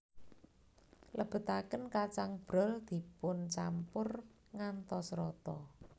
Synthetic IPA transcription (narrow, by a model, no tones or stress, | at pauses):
lʔəb̥ə̤t̪akənkat͡ʃaŋb̥ɾɔ̤ld̪̥i̤pʊnt͡ʃampʊr | ŋant̪ɔsɾɔt̪ɔ